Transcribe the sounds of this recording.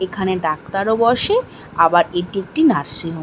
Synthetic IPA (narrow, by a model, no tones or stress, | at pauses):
ekʰaneɖak̚t̪aɾobɔʃe | abaɾeʈiek̚ʈinaɾsiɦo